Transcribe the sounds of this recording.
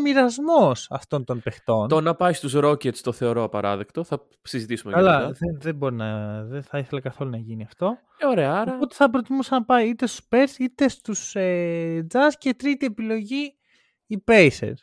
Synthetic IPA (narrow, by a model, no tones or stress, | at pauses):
miɾɐzmo̞sɐ̰ft̪o̞nt̪o̞npe̞xt̪o̞nt̪onɐpɐjst̪usɾo̞cet̪st̪o̞θe̞oɾo̞ɐpɐɾɐ̰ðekt̪o̞θɐ | sizit̪isumekɐɐlɐðenðebo̞ɾinɐðeθɐiθe̞lɐkɐθo̞lunɐʝiniɐft̪o̞ | eoɾeɐɐɾɐɐpot̪e̥θɐp̬ɾo̞t̪imusɐnɐpɐjit̪e̞st̪u̥speɾsit̪e̞st̪used͡zɐzce̞t̪ɾit̪ie̞pilo̞ʝi | ipejsḛɾ